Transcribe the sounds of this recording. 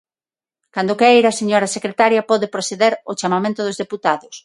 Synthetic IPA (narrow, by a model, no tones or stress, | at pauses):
kand̪ʊkejɾaseɲɔɾɐsekɾet̪aɾjɐpɔðepɾoθeðeɾʊt͡ʃamamẽnt̪ʊðʊzðeput̪aðʊs